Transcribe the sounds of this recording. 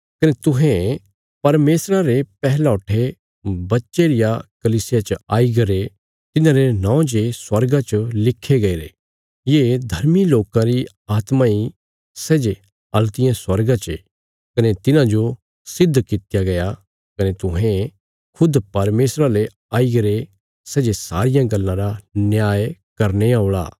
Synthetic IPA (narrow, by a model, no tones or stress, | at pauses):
kɐnet̪ʊɦẽ | pɐɾmeːsɾaɾepɛɦlaʊʈʰe | bɐtːʃeɾɪjakɐliːsɪjat͡ʃɐaːiɡɐɾe | t̪ɪnãɾenãõd͡ʒeswɐɾɡãt͡ʃəlɪkʰːeɡɐeɾḛ | jeːd̪ʱɐɾmiloːkãɾi | aːt̪mãi | sɛːd͡ʒe | ɐlt̪ɪjãswɐɾɡãt͡ʃe | kɐnet̪ɪnãd͡ʒo | sɪd̪ʱːkɪt̪ɪjaɡɐja | kɐnet̪ʊɦẽ | kʰʊd̪pɐɾmeːsɾale | aːiɡɐɾe | sɛːd͡ʒesa̰ːɾɪjãɡɐlːãɾanjaːjkɐɾneaoːɭa̰ː